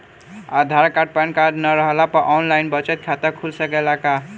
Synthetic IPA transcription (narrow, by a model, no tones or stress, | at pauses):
ad̪ʱaɾkaɖ̚pankaɖnəɾəɦəlapəʔɔnlajnbət͡ʃet̪̚kʰat̪əkʰulsəkelaka